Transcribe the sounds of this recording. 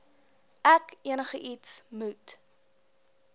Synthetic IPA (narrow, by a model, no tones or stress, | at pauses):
ʔækiənəχəʔitsmut